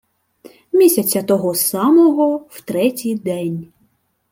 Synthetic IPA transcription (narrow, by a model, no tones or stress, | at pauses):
mʲisʲɐt͡sʲɐt̪ɔɦɔsɑmɔɦɔwt̪ɾɛtʲijd̪ɛnʲ